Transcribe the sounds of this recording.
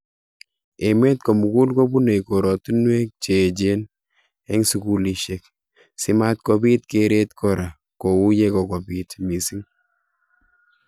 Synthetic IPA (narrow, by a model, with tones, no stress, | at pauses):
eme˦t̪ko˨mu˨ku˦lko˦bu˦ne˨jko˨ɾɔ˨tu˦nwe˦k̚t͡ʃe˨d͡ʒe˦n | e˦ŋsu˨kuli˨ʃɛk | sɪ˦mat̚kobi˦tkeɾe˦t̪kʰɔɾa˨ | ko˨wu˦jekɔkɔ˨bitmi˨si˦ŋ